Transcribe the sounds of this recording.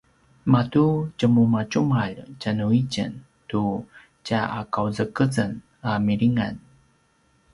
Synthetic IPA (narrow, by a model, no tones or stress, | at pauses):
matucəmumat͡ɕumaʎcanuicə̰n | tu | caʔakawzəkəzən | amiɾiŋa̰n